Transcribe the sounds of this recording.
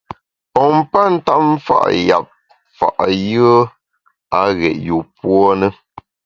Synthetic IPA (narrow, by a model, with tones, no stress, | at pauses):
pɔ˨m˦pa˦n̩˦ta˦ʔm˦fa̰˦ʔja̰˨p̚ | fa̰˨ʔjə˦ | a˨˦ɣɛ̰˨ʔju˨pwɔ˦nə˦